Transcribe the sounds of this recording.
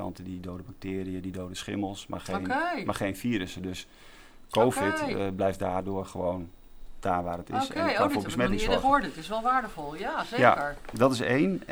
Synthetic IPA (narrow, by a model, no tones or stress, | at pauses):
ɑ̰ntədidowdəbɑk̚tɪːɾiədidowdəsχɪ̰məlˠsma̰χejnemarχejnfiːɾəsədøs | kowfɪtblɛjfdaːrdʊːɹχəʋowndaːʋaːrətɪ̰saoːbəsmɛtɪ̃ŋsɔɹdətɪsʋɛlˠʋaːɹdəfɔlˠjasejaəɹdɔtɪsḛjn